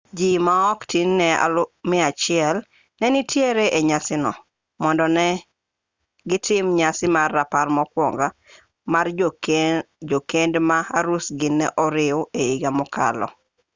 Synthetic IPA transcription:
d͡ʒimaɔktinːɛa̰lʊmɪat͡ʃɪɛl | nɛnɪtjeɾeʔeɲasɪnɔ̰ | mɔndɔnɛ | ɡɪtʰɪmɲasɪmarːaparmɔkwɔŋɡa | mar | d͡ʒokendmaaɾusɡɪnːɛʔɔɾɪʊeiɡamɔkʰa̰lɔ̰

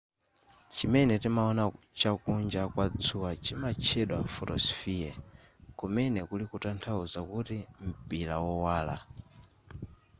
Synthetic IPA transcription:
t͡ʃimɛnɛtimaɔna | t͡ʃakund͡ʒakwad͡zʰuwat͡ʃimat͡ʃʰɛɗwa̰ɱ̩fɔɾɔ̰sfijɛ | kumɛnɛkulikutantʰauzakutim̩pilawɔwaːla̰

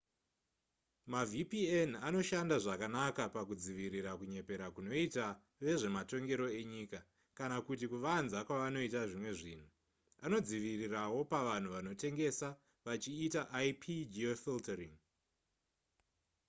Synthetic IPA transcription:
mavipienano̞ʃandaʐakanakapakud͡ziʋiɾiɾakuɲe̞pe̞ɾakuno̞ita | ʋe̞ʐe̞mato̞ŋɡe̞ɾo̞e̞ɲiːka | kanakutikuʋanzakwaʋano̞itaʐimwe̞ʐiːn̤u | ano̞d͡ziʋirirawo̞paʋan̤uʋano̞te̞ŋɡe̞sa | ʋat͡ʃiːtaʔajpʰid͡ʒiofiltariŋ

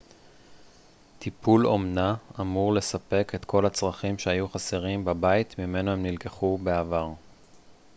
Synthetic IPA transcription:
tipʰulo̞mnaamuʁle̞sape̞ke̞t̪kʰo̞lat͡sʁaχimʃeajuχaseʁimbabait̪mime̞nohemnilkeχube̞avaʁ

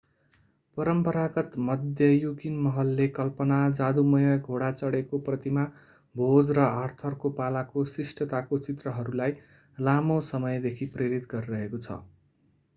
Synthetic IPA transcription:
pʌɾʌmpʌɾaɡʌt̪mʌd̪ʱjʌjukinmʌɦʌlːekʌlpʌnad͡zad̪umʌjʌɡʱoɽat͡sʌɽekoprʌt̪ima | bʱod͡zrʌart̪ʰʌrkopalakosrisʈʌt̪akot͡sit̪rʌɦʌɾulaj | lamosʌmʌjd̪ekʰipreɾit̪ɡʌɾiɾʌɦekot͡sʰʌ̰

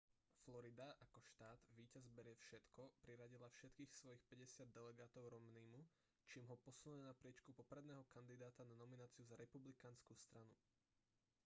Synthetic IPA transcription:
flɔɾid̪aʔakɔʃt̪aːd̪ʋiːcazbɛɾɛfʃɛt̪kɔpɾiɾaɟilafʃɛt̪kiːxsʋɔjixpɛɟɛsɪad̪ːɛlɛɡaːt̪ɔʊɾɔmniːmu | t͡ʃiːmɦɔpɔsulɲɛnapɾɪɛt͡ʃkupɔpɾɛd̪nɛːɦɔkand̪id̪aːt̪ananɔminaːt͡siuzaɾɛpublikanskust̪ɾanu

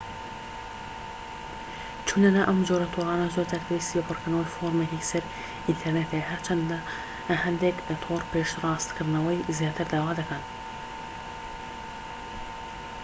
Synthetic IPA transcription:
t͡ʃʰunlːɐnaʔɐmzoːɾɐt̪ʰoːɾˤɑːnɐzoɾt̪ʰɐɾt̪ʰesjepɨɾkɨɾnɐwɐjfoɾmekisɐɾ | ʔint̪ʰeɾneːt̪ʰeɦɐɾt͡ʃʰɐnd̪a | hɐnd̪eːkt̪ʰoːɾpeːʃrˤɑːst̪kʰɨɾnɐwɐjzijɑːt̪ʰɨɾd̪aːwaːd̪ɐkʰan

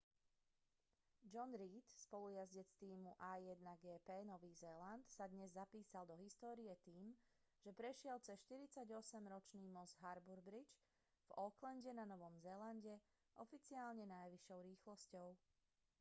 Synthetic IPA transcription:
d͡ʒɔnɾiːt̪spɔlujazɟɛt͡st̪iːmuʔajːɛd̪naɡɛːpɛːnɔʋiːzɛːlant̪sad̪ɲɛzːapiːsald̪ɔɦist̪ɔːɾijɛt̪iːm | ʒ̥ɛpɾɛʃɪɛlt͡sɛsʃt̪iɾit͡saɟɔsɛmɾɔt͡ʃniːmɔzɦaɾbuɾbɾid͡ʒ | v̥ɔklɛnɟɛnanɔʋɔmzɛːlanɟɛ | ʔɔfit͡siaːlɲɛnajʋiʃɔʊɾiːxlɔscɔʊ

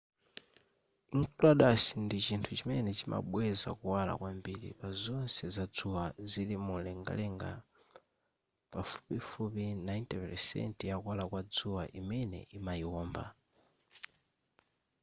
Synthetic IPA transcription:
iŋkulaɗasindit͡ʃintʰut͡ʃimɛnɛt͡ʃimʔa̰ɓwɛza̰kuwala̰kwambiɾḭpazɔnsɛzad͡zuwazilimulɛŋɡa̰lɛŋɡa | pafu̥pifupinajntɛpɛsɛ̰ntjakwalakwad͡zuwaʔimɛnɛ̰ʔimaiwɔːmba̰

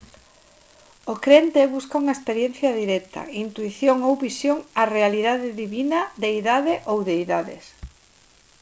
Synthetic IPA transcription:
okɾent̪eβuskauŋɐespeɾjen̟θjɐðiɾɛk̚t̪ʰɐ̰int̪uiθjoŋowβisjoŋarealiðaðɪðiβinɐðeiðaðɪʔowðeiðaðɪ̰s

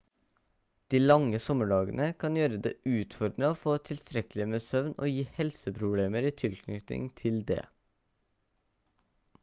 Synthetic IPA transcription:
d̪̥iːlɑŋːəsɔməɖɑːɡənəkʰɑnjøːɾəd̪eːʔʉːt̪fɔɾɖ̪ɾəoːfoːt̪ʰɪlst̪ɾɛkəl̩ɪəmeːsœʋno̰ːjiːhɛlsəpʰɾʊbleːməɾiːt̪ʰɪlkʰnʏt̪ɪ̰ŋt̪ʰɪld̪ḛː

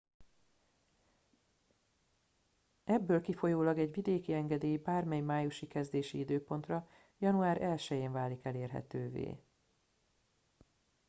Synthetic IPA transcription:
ɛbːøːlkifo̞joːlɒɡɛɟvid̪eːkiɛŋɡɛd̪eːjibaːrmɛjmaːjuʃikɛzd̪eːʃiid̪øːpo̞nt̪rɒ | jɒnuaːɾʔɛlʃɛjeːɱvaːlikɛleːrɦɛ̰t̪øːvḛː

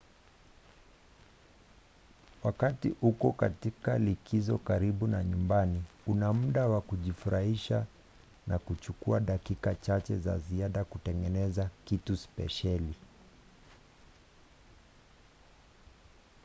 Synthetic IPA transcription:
wakatiʔukɔka̰tikalikizɔkaɾiɓunaɲumbaniunam̩ɗawakuʄifuɾʔahiʃa | nakut͡ʃukuaɗakikat͡ʃat͡ʃɛza̰ziaɗakutɛŋɡɛnɛzakituspɛ̰ʃali

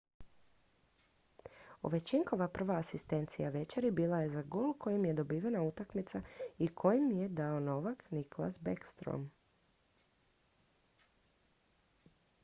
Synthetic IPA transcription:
o̰ʋe̞t͡ɕiŋko̞ʋapr̩ʋaːsist̪e̞nt̪sijaʋe̞t͡ʃeɾibiːlˠaje̞zaɡoːlkʰo̞jimje̞d̪o̞biːʋenaut̪akmit̪saikʰo̞jimje̞d̪aono̞ʋakniklˠa̰sbekst̪ɾo̰m

